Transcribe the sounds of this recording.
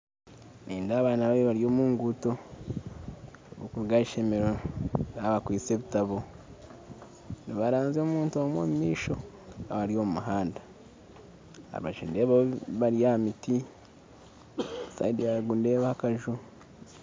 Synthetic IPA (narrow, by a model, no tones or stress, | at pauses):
niːndaːβaːnaβaβeβaɾjo̞ːmuːŋɡuto̞ | βukuɾuɡaiʃemeɾojaβakwiːt͡seβitaβo | niβaɾaːnzoːmuːntuomwo̰ːmumiːʃo̞ | aβaɾijo̞ːmumuɦaːndḁ | a̰βa̰ʒinde̞ːβaβaɾijamiti | sa̰idijaɡunde̞ːβahakaʒu